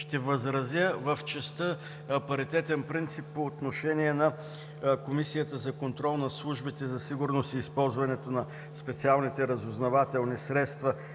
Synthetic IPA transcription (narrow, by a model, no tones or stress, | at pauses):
ʃt̪ɛvəzɾɐzʲjəvəft͡ʃɛst̪ə | ɐpɐɾit̪ɛt̪ɛnpɾint̪sipːoːt̪noʃɛniɛnɐ | komisijət̪əzɐkont̪ɾɔlˠnɐslˠuʒbit̪ɛzɐsiɡʊɾnost̪iːspɔlˠzvɐnɛt̪onɐ | spɛt̪sialˠnit̪ɛɾɐzʊznɐvat̪ɛlˠnisɾɛt̪st̪vɐ